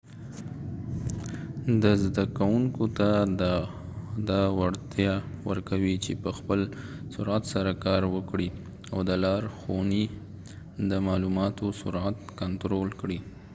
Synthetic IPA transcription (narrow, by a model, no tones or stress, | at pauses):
d̪əzd̪akawuŋkot̪a | d̪ɑwaɽt̪jɑwəɾkawit͡ʃepəxpəl | sʊɾat̪saɾakɑɾwəkɽi | awd̪əlɑɾxoni | d̪əmɑlumɑt̪osʊɾat̪kant̪ɾolkɽi